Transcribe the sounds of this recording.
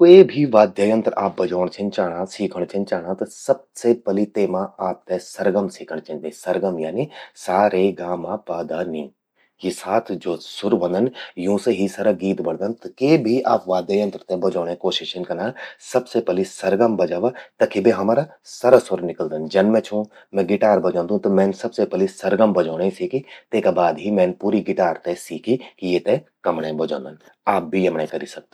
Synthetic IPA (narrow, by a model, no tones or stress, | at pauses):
koebʱiʋaːd̪jaːjə̃nt̪ɾaːp̚bɐd͡ʒaːɽ̃t͡ʃʰint͡ʃaːɽ̃ãːsiːkʰəɽ̃t͡ʃʰɐnt͡ʃaːɽ̃ãt̪ɐsɐb̚sepɐlit̪eːmãaːp̚t̪esɐɾɡəmsiːkʰəɽ̃t͡ʃʰɐ̃nd̪isɐɾɡəmjaːnisaːɾeɡaːmaːpaːd̪aːniː | ɦisaːt̪ʰd͡ʒoːsʊɾʋɐ̃nd̪ənjũːseɦisɐɾɐɡiːt̪bɐɽd̪ɐnt̪ɐkeːbʱiʔaːpʋaːd̪jaːjɐ̃nt̪ɾət̪ẽbɐd͡ʒaːɽ̃ẽkoːʃɪʃɐnkɐnãːsɐbsepɛlisɐɾɡəmbɐd͡ʒaːʋat̪ɐkʰibeɦɐmaːɾa | sɐɾəsʊɾnɪkəld̪ənd͡ʒɐnmɛ̃t͡ʃʰũː | mɛ̃ɡɪʈaːɾbɐd͡ʒãːnd̪ũt̪omɛ̃ːnsɐbsepɛlisɐɾɡəmbɐd͡ʒoːɽ̃ẽsiːkit̪eːkabaːd̪ɦimɛ̃ːnpuːɾiɡɪʈaːɾt̪esiːkikjeːt̪ẽkɐmɽẽbɐd͡ʒõ̰ːnd̪ən | aːp̚bʱijɐmɳẽkɐɾisɐk̚t̪e